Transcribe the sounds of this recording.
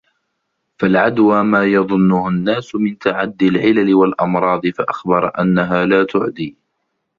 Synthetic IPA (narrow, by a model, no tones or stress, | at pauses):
falʕad̪waːmaːjɑðˤʊnːʊhʊnːaːsʊmɪnt̪aʕad̪ːɪlʕɪlalɪwalʔɑmɾˤɑːd̪ˤɨfaʔaxbɑɾˤʔanːaɦaːlaːt̪ʊʕd̪iː